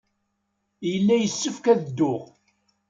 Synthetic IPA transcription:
jəlːæjəsːəfkæðəd̪ːʊʁ

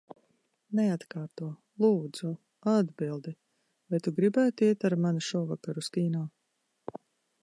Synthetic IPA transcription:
nɛat̪kaːɾt̪uɔ | lˠuːd̪z̥u | ad̪bilˠd̪i | vajt̪uɡɾibæːt̪uiɛt̪aɾmanuʃɔːvakaɾuskiːnaː

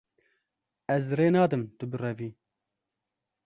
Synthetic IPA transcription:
ɛzreːnɑːd̪ɨmt̪ɨbɨrɛviː

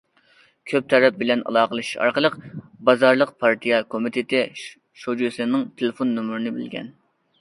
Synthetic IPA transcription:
kʲʰøp̚t̪ʰɛɾɛp̚bɪlɛnɑ̰lˠɑːqəlˠɨʃɑ̰ɾqəlˠəqbɑzɑɾlˠəq̚pʰɑɾt̪ʰijɛkʰomit̪ʰɪt̪ɪ | ʃod͡ʒusɨnɨŋt̪ʰelɪfonːomuɾɪnɪbɪ̰lɡʲɛ̰n

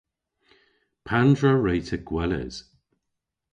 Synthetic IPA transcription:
pʰandɹəɹejtʰəɡ̥wɛlə̰z̥

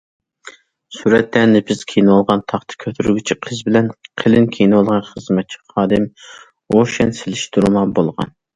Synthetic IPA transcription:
suɾɛt̪læɾnɪpʰɪz̥kʲʰejnɨwɑlˠʁɑnt̪ʰɑχt̪ʰɨ̥kʲʰøt̪ʰyɾɡʲit͡ʃʰiqʰəzbɪlɛnqʰəlɪnkʲʰejnɨwɑlˠʁɑnχəzmɛt̪̚t͡ʃʰi̥χɑːd̪ɨm | oʃɛnsɪlɪʃt̪uɾmɑbolˠʁɑ̰n

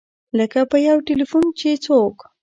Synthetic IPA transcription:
ləkapəjawʈelifunt͡ʃet͡sok

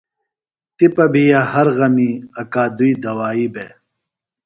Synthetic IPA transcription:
t̪ipɐbʱijahɐɾɣɐmiɐkaːd̪uiːd̪ɐwaːiːbe

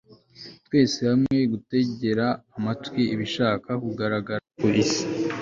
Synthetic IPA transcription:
twe̞ːsehamŋe̞ɡute̞ɟe̞ɾaːmatwiʔiβiʃaːkakuɡaɾaɡaɾapolisi̥

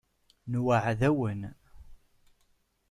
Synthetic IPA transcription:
nwəʕðæwən

